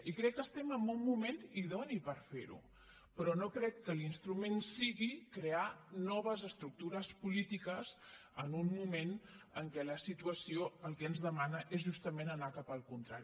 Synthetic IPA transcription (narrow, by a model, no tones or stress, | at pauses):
ikɾɛkːəst̪ɛməmbummumeniðonipəɾfeɾṵ | pɾɔnokɾɛkːəlinst̪ɾumensiɣikɾeanɔβ̞əzəst̪ɾuk̚t̪uɾəspulit̪ikəzənummumenəŋkɛləsit̪uəsioəlˠkɛənzðəmanəʔezʒust̪əmenənakapəlˠkunt̪ɾaɾ